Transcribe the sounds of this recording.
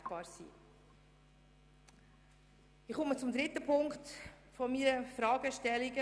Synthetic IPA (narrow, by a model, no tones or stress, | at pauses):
b̥ɑːɾsḭː | ɪχɔmət͡sʊmd̪ɾɪt̪əpʰʊŋkt | fɔmiɾəfɾɑːɡəʃtɛliɡə